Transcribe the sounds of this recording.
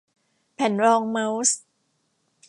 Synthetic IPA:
pʰɛ˩˦nɾɔː˧ŋma˦˥ws

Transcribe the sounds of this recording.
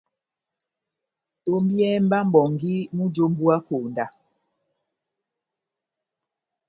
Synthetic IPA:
o˦mbjɛ˦m̩˦ba˦m̩˦bɔ˨ŋɡi˦mu˦d͡ʒo˦m̩˦bu˦a˦koː˨nda˨

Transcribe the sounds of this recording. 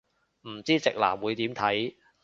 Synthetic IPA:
m̩˨˩t͡siː˥t͡sɪ˨k̚la̰ː˨˩mwuː˨˧jt̪iː˨˥mt̪ʰɐ˨˥j

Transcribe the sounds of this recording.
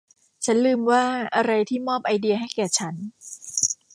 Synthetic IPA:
t͡ɕʰa˦˥nlɯː˧mwaː˥˩ʔa˧ɾa˧jt̪ʰiː˥˩mɔː˥˩p̚ʔa˧jdi˧ɐɦa˥˩jkɛː˨˩t͡ɕʰa˦˥n

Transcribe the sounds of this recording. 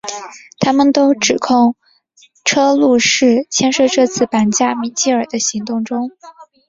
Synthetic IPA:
t̪ʰa˥mə˨nt̪o˥ʊʈ͡ʂɻ̩˨˩kʰʊ˥˩ŋ | ʈ͡ʂʰɤ˥lu˥˧ʂɻ̩˥˩t͡ɕʰjɛ˥nʂwɤ˥˧ʈ͡ʂɤ˥˧t͡sʰɹ̩˥˩pa˧˥nt͡ɕja˥˩mi˨˩t͡ɕi˥˩ə˞˨˩d̪ə˦ɕi˧˥ŋt̪ʊ˥˩ŋʈ͡ʂʊ˥ŋ

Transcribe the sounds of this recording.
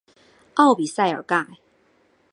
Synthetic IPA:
ʔɑ˥˨ʊpi˨sa˥˩ɪə̰˨˩ka˥˩j

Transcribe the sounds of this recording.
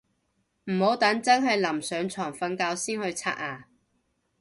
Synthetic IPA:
m̩˨˩ho˨˥wt̪ɐ˨˥ŋt͡sɐ˥nɦɐ˨jlɐ˨˩msœː˨˧ŋt͡sʰɔː˨˩ŋfɐ˧nkaː˧wsiː˥nhɵ˧t͡sʰa̰ː˧ʔ̚haː˨˩

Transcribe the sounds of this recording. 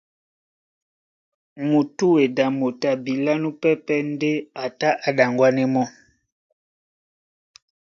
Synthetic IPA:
mu˨tu˦we˨da˨mo˨ta˨bi˨la˦nu˦pɛ˦pɛ˦n˦de˦a˨ta˦ʔa˨da˨ŋɡwa˦nɛ˦mɔ˦

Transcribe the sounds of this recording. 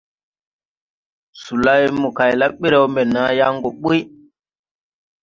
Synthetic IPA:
su˨la˦jmɔ˨ka˨jla˦ɓi˦ɾɛ˦wmɛ˨na˦ja˦ŋɡɔ˨ɓu˦j

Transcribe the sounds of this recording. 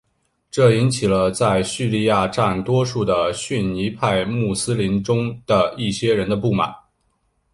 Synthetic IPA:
ʈ͡ʂɤ˥˩i˧˥nt͡ɕʰi˨˩lə˦t͡sa˥˧ɪɕy˥˧li˥˧ja˥˧ʈ͡ʂa˥˩nt̪wɔ˥ʂu˥˩d̪ə˩ɕy˥˩nni˧˥pʰa˥˧ɪmu˥˩sɹ̩˥li˧˥nʈ͡ʂʊ˥ŋd̪̥ə˨i˥˩ɕjɛ˥ɻə˧˥nd̪ə˧pu˥˩ma̰˨˩˦n

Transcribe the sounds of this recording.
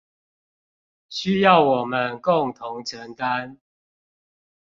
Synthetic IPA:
ɕy˦jɑ˥˨ʊwɔ˨˩mə˨˦nkʊ˥˨ŋt̪ʰʊ˨˦ŋʈ͡ʂʰə˨˦ŋka˦n

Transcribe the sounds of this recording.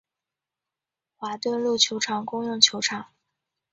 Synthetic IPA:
xwa˧˥t̪wə˥˧nlu˥˩t͡ɕʰjo˧˥ʊʈ͡ʂʰɑ˨˩ŋkʊ˥ŋjʊ˥˩ŋt͡ɕʰjo˧˥ʊʈ͡ʂʰɑ˨˩˦ŋ

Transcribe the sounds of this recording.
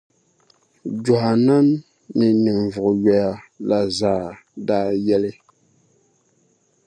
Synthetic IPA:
d͡ʒɔ˨ha˨na˦mː | i˨ni˨ŋ˨vʊ˨ʔʊ˨jɛ˨ja˨la˨zaː˨˦˨daː˦jɛ˦lɪ˦

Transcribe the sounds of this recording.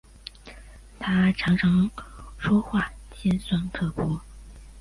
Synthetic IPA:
t̪ʰa˥ʈ͡ʂʰɑ˧˥ŋʈ͡ʂʰɑ˧˥ŋʂwɔ˥xwa˥˩t͡ɕjɛ˥nswa˥˩nkʰɤ˥˩pʰɔ˥

